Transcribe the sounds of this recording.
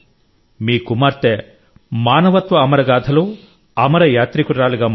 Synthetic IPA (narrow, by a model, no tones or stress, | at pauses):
miːkumaːɾt̪e | maːnɐʋɐt̪ʋɐːmɐɾɐɡaːd̪ʱʰɐlu | ɐmɐɾɐjaːt̪ɾikuɾaːliɡɐm